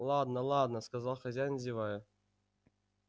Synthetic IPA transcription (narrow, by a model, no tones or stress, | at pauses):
lˠad̪nəlˠad̪nəskazɑlˠxɐzʲæjnzʲivajə